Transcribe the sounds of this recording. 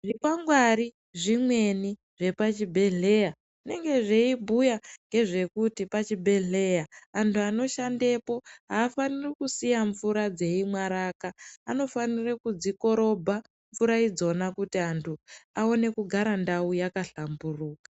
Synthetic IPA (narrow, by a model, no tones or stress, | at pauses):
ʐipaŋɡwaɾi | ʐimwe̞ni | ʐ̥e̞pat͡ʃibʱe̞ɮe̞ja | ʐine̞ŋɡe̞ʐeibʱujaŋɡe̞ʐe̞kutipat͡ʃibʱe̞ɮe̞jaantʰuano̞ʃande̞po̞ɦaːfanirikusijaɱvuɾad͡ze̞imwaɾakaːno̞fanirekud͡ziko̞ɾo̞bʱa | ɱvuɾaid͡zo̞nakutiantʰuao̞ne̞kuɡʱaɾandaujakaɬamburuːkḁ